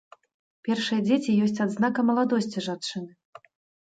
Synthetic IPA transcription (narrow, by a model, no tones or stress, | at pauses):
pʲɛrʂɨjɐd͡zʲet͡sʲijɔsʲt͡sʲad̪znakɐmɐlˠad̪ɔsʲt͡sʲiʐat͡ʂɨnɨ